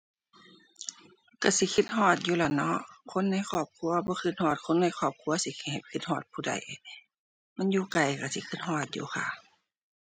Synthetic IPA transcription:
ka˧˩si˧˦kʰi˧˥t̪̚ɦɔː˧˩t̪̚juː˧˨la˧˩nɔ˧ʔkʰo˧˥˨nːa˧˥˨jxʰɔː˧˩p̚kʰu˧˨ɐbɔː˧˦kʰɯ˧˥t̪̚hɔː˧˩t̪̚kʰo˧˥˨nːa˧˨jxʰɔː˧˩p̚kʰu˧˥˨ɐsi˧˦kʰi˧˩ha˨˩jkʰi˧t̪̚hɔː˧˩t̪̚pʰuː˧˩da̰˧˩j | ma˧˥˨njuː˧ka˨˩jka˧˩sḭ˧˦kʰɯ˧˥t̪̚ɦɔː˧˩t̪̚jṵː˧˦xʰa̰˧˩

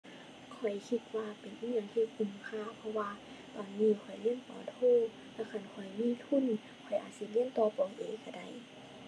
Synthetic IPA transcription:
kʰɔ˨˩jkʰi˧t̪̚waː˧pe˨nʔɲa˧˨ŋt̪ʰiː˧ʔu˧˩˨mkʰaː˧˥˨wpʰɔ˧waː˧ | t̪ɔː˨˩nːiː˧˨kʰɔ˨˩jli˧˥ənp̪ɔː˨˦t̪ʰoː˧˨ | lɛ˧˩wkʰa˧˩˨nkʰɔ˨˩jmiː˧˥˨t̪ʰu˧˥˨n | kʰɔ˨˩jʔaː˨˩t̪̚si˧˦li˧˥ənt̪ɔː˧˦pɔː˨˦ŋʔeː˨˦ka˧˩da˧˩˨j

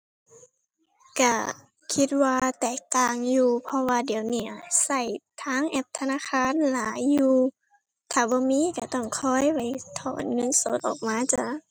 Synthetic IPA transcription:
ka˧˩ | kʰi˧t̪̚waː˧t̪ɛː˨˩k̚t̪aː˨ŋjuː˧pʰɔ˧waː˧di˨˦əwniː˧˩sa˧˩jt̪ʰaː˧˥˨ŋʔɛ˧˥p̚t̪ʰa˧naː˧˥˨kʰaː˧˥˨nlaː˨˦jːuː˧ | t̪ʰaː˧˩bɔː˧˦miː˧˥˨ka˧˩t̪ɔ˧˩ŋkʰɔː˧˥˨jpa˧˩jt̪ʰɔː˨˩˦nŋɤ˧˥˨nso˧˦t̪̚ʔɔ̰ː˨˩k̚maː˧˥˨t͡ɕa˧˨

